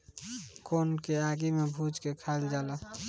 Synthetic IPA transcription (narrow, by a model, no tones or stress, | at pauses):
koːnkeaːɡimẽbʱuːd͡ʒkekʰaːld͡ʒaːla